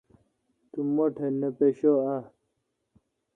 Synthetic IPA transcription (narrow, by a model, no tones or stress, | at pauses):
t̪umoʈʰenːepeɕoa